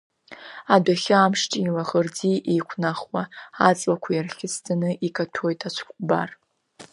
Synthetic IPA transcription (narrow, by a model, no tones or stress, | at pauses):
adaχʲɪamʂt͡ʃʼilaʁərd͡ziʔejkʷʰnaχwaat͡sʼlakʷʰajarχʲɪstʰanɨʔikʰʼatʰojtʰʼat͡ʃʷʰkʷʼba̰r